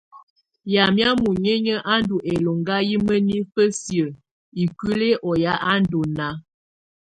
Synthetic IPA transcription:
ja˨mja˦mu˨ɲe˦ɲə˦ʔa˦ndu˨ʔe˨lo˨ŋɡa˦ji˦mə˦ni˦fə˦sjə˨ | i˨ki˦le˦ʔɔ˨ja˦ʔa˦ndo˨na˨˦

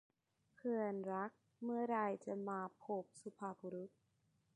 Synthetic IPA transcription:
kʰɯ˧ənɾa˦˥k̚ | mɯ˥˩ɐɾa˧jt͡ɕa˨˧˩maː˧pʰo˨˦˩p̚su˧pʰaː˧˩bu˧ɾu˦˥t̪̚

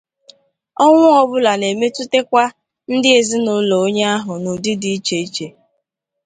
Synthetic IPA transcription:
ɔ˦ŋʷʊ˦ɔ˨bʊ˦la˨ne˨me˦tu˦te˦kʷa˦ | n̩˦dɪ˦e˨zi˦nʊ˦lo˨o˦ɲe˦a˦ɦʊ˨nʊ˨dɪ˦di˨i˦t͡ʃe˨i˦t͡ʃe˨

